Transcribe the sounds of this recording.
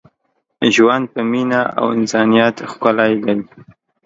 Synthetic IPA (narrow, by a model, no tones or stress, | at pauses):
ʒwand̪̚pəminaa̰wɪnsɑnijat̪xkʊlajlawi